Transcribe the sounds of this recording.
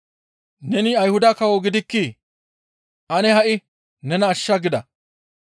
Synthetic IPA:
nɛnɪɐjhʊd̪ɐkɐwɔɡɪd̪ɪkːi | ʔɐnɛɦɐʔɪ | nɛnɐːʃːɐɡɪd̪ɐ

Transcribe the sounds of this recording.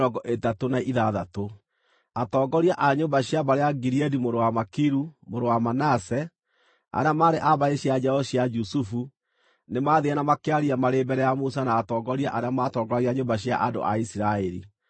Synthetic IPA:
ɔɡɔʔetatonaʔiðaðato | atɔːɡɔɾiaʔaɲombaɕiaβaɾeaɡiɾiɛdimoɾowamakiɾumoɾowamanasɛ | a̰ɾeamaːɾeʔaβaeɕiad͡ʒɛɔɕiad͡ʒusufu | nemaðeanamakeaɾiamaɾebɛɾɛjamusanaːtɔːɡɔɾiaʔaɾeamatɔːɡɔɾaɾiaɲobaɕja̰ʔado̰ʔa̰isiɾaɛɾḭ

